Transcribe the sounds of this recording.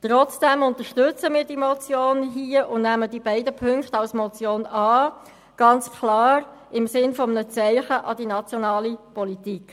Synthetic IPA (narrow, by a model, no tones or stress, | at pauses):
t̪ʁɔt͡sd̥ɛmʊntəʃtʏt͡səmiːdimɔt͡sjoːnɦiəʔʊndnæmədibɛɪdəpʰʏŋkχtɑlsmɔt͡sjoːnɑː | ɡ̥ɑnt͡skʰlɑːɾ | ɪmsɪnfɔmənət͡sɛɪχəʔɑd̥inɑt͡sjonɑːlipɔlitiːk